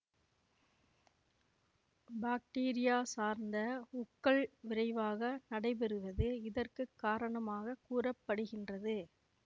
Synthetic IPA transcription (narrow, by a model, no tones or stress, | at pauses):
baːk̚ʈeːɾɪjaːsaːɾnd̪ɐʊkːɐɭʋɪrɐɪʋaːɣɐnɐɽɐɪp̬ɛɾɯʋɐðɯɪðɐrkɯkːaːɾɐɳɐmaːɣɐkuːrɐpːɐɽɯɣɪndrɐðɯ